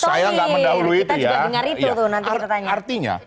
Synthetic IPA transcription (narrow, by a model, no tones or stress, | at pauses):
sajaŋɡaməndaɦuluit̪ajaabəŋaɾitut̪onant̪t̪at̪aɲaart̪iɲa̰